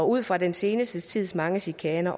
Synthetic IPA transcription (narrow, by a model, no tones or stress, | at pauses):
ɒ̽uð̰ˠfʁɑ̈dense̝ːnəsd̥ət͡sʰið̞̰ˠsmɑ̈ŋəɕikʰɛːnɐʔ